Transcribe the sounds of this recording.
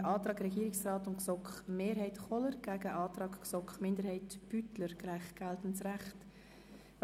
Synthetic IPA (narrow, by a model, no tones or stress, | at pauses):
ʔɑːtɾɑːɡrɛɡiːɾɪksrɑːtʊntksɔkχmeːɾhɛɪtχɔləɾɡ̥æːɡəʔɑːtɾɑːkksɔkχmɪndəɾhɛɪtb̥ytləɾɡ̥lɛɪχɡ̥ɛltən̩tsræχt